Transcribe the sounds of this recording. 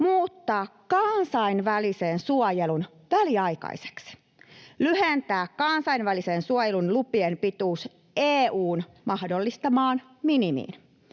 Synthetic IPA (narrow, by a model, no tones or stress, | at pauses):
muːt̪ːɑːkkɑnsɑinʋælisensuojelun | ʋæliɑjkɑ̰ise̥ksi̥ | lyhent̪æːkkɑnsɑinʋælisensuojelunlupienpit̪uːs | eːuːn | mɑhdo̞lːist̪ɑmɑːn | minimḭːn